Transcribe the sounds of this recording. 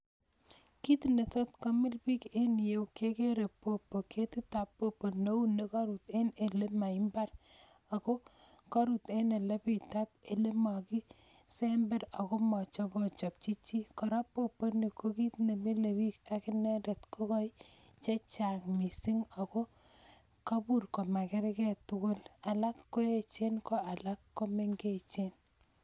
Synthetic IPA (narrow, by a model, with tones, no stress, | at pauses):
ki˦t̪ne˨tɔ˦tkɔ˦mɪ˦lpi˦ke˦nje˦wke˦ke˦ɾe˨pːo˨pːo˨kʰe˦tɪ˦ta˨pːo˦pːo˨no˦u˦ne˨ka˦ɾu˨t̪e˦ne˨le˦ma˨i˦mba˦r | a˨ko˦ | kɔ˦ɾu˨t̪e˦ne˨le˦pɪ˨tat̪̚e˨le˦ma˨kɪ˦ | sembɛ˦ɾa˨ko˦mɔ˨t͡ʃɔ˦pɔ˨t͡ʃɔ˨p̚t͡ʃi˦t͡ʃːi˦kɔ˨ɾa˦pːo˦pːo˦ni˨ko˦ki˦tne˨me˦le˨wi˦ka˦kɪ˦nɛ˦de˨tko˦kɔ˦ji | t͡ʃe˦t͡ʃa˨ŋmi˨si˦ŋa˨ko˦ | ka˦bu˦rko˨ma˨kɛ˦ɾkɛ˦tʊ˦kʊ˦la˨la˦kːo˦e˦t͡ʃe˦nko˦a˨la˦kːo˦me˦ŋɡe˦t͡ʃe˦n